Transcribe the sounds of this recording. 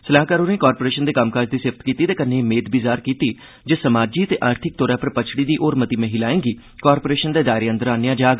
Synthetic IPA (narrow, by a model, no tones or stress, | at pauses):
səlaːɦkaːɾoːnẽːkaːɾpoːɾeːʃənd̪eːkəmkaːd͡ʒd̪iːsɪft̪kiːt̪iːt̪eːkənemeːd̪bizaːɾkiːt̪iː | d͡ʒeːsəmaːd͡ʒiːət̪eːʔaːɾt̪ʰɪk̚t̪oːɾãːpʰəɾpət͡ʃʰɽiːd̪iːʔoːɾmət̪iːmẽɦiːlaːẽːŋɡiː | kaːɾpoːɾeːʃənd̪eːd̪aːɪɾeːənd̪əɾaːnejãːd͡ʒaːɡ